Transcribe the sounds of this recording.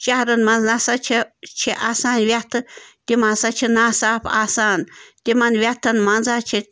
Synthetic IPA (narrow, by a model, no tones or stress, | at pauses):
t͡ʃaɾɨnmãznasat͡ʃʰet͡ʃʰiʔaːsaːnwʲjat̪ʰɨt̪ʲimãsat͡ʃʰinãsapʰasaːnt̪ʲimãnwʲat̪ʰɨnmãnzat͡ʃʰi